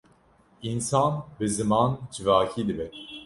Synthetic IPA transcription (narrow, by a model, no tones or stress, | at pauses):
insɑnbɨzɨmɑnd͡ʒivaːkʰiːd̪ɨbɛ